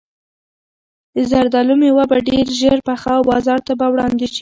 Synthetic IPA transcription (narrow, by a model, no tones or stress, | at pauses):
d̪əzaɾd̪alumewabaɖeɾʒəɾpaxawbɑzɑɾt̪abawɽɑnd̪et͡ʃi̥